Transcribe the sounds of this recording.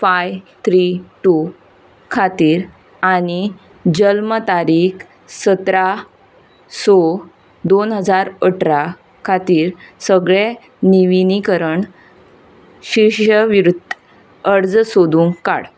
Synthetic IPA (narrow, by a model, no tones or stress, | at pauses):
fajt̪ʰɾiʈu | kʰat̪iːɾ | añi | d͡ʑəlmət̪aɾiːk | sət̪ɾa | sɔ | d̪onɦəd͡zaɾəʈʰɾa | kʰat̪iːɾsəɡɭe | niʋinikəɾəɳ | ɕiɕəʋɾud̪ʱ | əɽd͡zsod̪uŋka̰ɽ